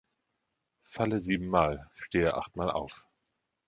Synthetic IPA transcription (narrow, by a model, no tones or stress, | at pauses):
faləziːbm̩ːaːlʃteːəʔa̰χtmaːlʔa̰ʊf